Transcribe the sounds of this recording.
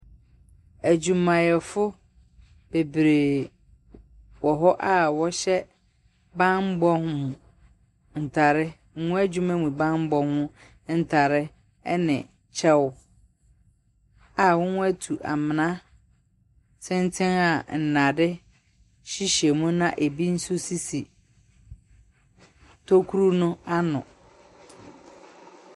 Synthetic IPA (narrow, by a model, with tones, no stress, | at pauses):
æ˨d͡ʑũ˨mã˨jɛ˨fʊ˦ | b̥e˨bɾe˨ | wɔ˨ɦɔ˦ʔa˦˨wɔ˦ɕɛ˦ | bã˦nm̩˦bɔ˦hʊ̃˦mʊ̃˨ | n̩˨tʰa˨ɾɪ˦ | ŋ̩˦ŋũ˦æ˦d͡ʑᶣũ˦mæ̃˦mũ˨bã˦nm̩˦bɔ˦hʊ̃˦ | n̩˦˨tʰa˨ɾɪ˦ | ɛ˦nɪ̰̃˨ | t͡ɕʰɛ˦w | a˨wʊ̃˦ñ˦æ˦tʰu˨ʔa̰˨mɪ̃˨nã˦ | sʰɪ̃˦ntʰɪ̃˦na˨n̩˨nã˨dɪ˦ | ɕi˦ɕɛ˨mũ˦nã˦ʔe˨bi˦n̩˦su˦si˦si˨ | tʰo˦kʰu˦ɾu˦nʊ̃˦a˦nʊ̰̃˨